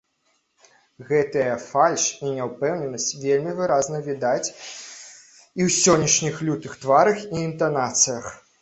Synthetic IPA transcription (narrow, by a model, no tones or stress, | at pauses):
ɣɛt̪ɨjɐfalʲʂinʲɛwpɛwnʲɛnɐsʲt͡sʲvʲelʲmʲivɨɾaznɐvʲid̪at͡sʲ | iwsʲɔnʲːɐʂnʲixlʲut̪ɨxt̪vaɾɐxiːnt̪anat̪sɨjɐx